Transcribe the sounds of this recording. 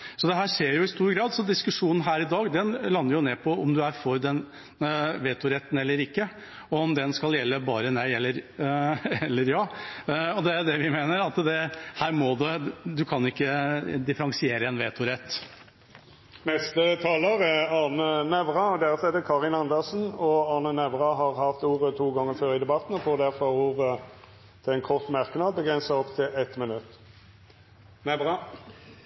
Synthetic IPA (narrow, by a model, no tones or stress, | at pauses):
sɔd̪ɛɦæːʂeːɾjʊɪst̪uːɾɡɾɑːd̪sɔd̪ɪskʉʂuːnn̩ɦæːɾɪd̪ɑːɡd̪ɛnlɑnːəɾjʊneːpʰɔɔmd̪ʉæɾfɔɾd̪ɛn | ʋeːt̪ʊɾɛt̪ːn̩ɛlːəɾɪkːə | ɔɔmd̪ɛnskɑljɛlːəbɑ̰ːɾənæɪɛlːəɾ | ɛlːəɾjɑːɔd̪ɛæɖ̪ɛʋɪmeːnəɾɑt̪d̪ɛhæːɾmɔd̪ʉd̪ʉkʰɑnɪkːəd̪ɪfəɾɑŋsɪeːɾəɛnʋeːt̪ʋʊɾɛt̪ː | mɛst̪ət̪ʰɑːləɾæɑnənɛʋʁɑɔd̪ɛʁət̪ʰlɛt̪ːəkʰɑːʁɪnɑnd̪əsn̩ɔɑːnənɛʋʁɑɦɑʁɦɑft̪uːʁət̪ʰuːɡɑŋːəføːɾɪd̪ɛbɑt̪n̩ɔfoːd̪æɾfɔuːʁə | t̪ʰɪlɛnkʰɔʁt̪ːmæɾknɑːd̪̚bəɡɾɛnsəɔpt̪ʰɪlɛt̪mɪnʉt̪ː | nɛʋʁɑ